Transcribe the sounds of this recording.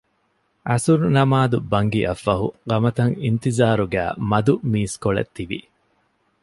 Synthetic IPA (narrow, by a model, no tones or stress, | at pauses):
ʔɐsuɾnɐmaːd̪ubɐŋɡiʔɐfːɐɦuɡɐmɐt̪ɐŋint̪izaːɾuɡæ̰ːmɐd̪umiːskoɭɐ̰t̪ːiʋḭ